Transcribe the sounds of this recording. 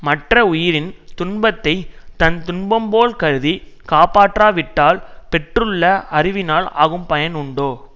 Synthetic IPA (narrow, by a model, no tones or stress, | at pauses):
mɐʈrɐʊjɪɾɪnt̪ʊnbɐt̪ːɐɪt̪ɐnt̪ʊɳbɐmboːlkɐɾɯði | kaːpaːʈraːʋɪʈːaːlpɛʈrɯɭːɐɐrɪʋɪnaːla̰ːɣɯmpɐjɐnʊɳɖoː